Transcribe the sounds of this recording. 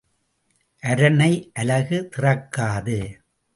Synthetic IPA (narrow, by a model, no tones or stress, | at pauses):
ʔɐɾɐnɐɪʔɐlɐɣɯt̪ɪrɐkːaːðɯ